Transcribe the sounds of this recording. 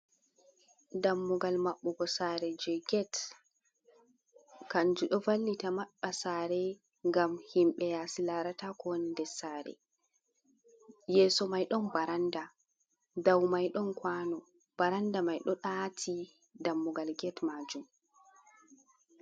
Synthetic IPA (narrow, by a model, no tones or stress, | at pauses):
damːuɡalmaɓːɔɡɔsaɾɛd͡ʒɛɡɛt | kand͡ʒuɗɔvalːitamaɓasaːɾɛ | ŋɡamhimɓɛjasilaɾatakɔnindɛsaːɾɛ̰ | jɛːsɔmajɗɔnbaɾanda | dawmajɗɔnkwaːnɔ | b̥aɾandamajɗɔɗatʰi | damːuɡalɡɛtmad͡ʒum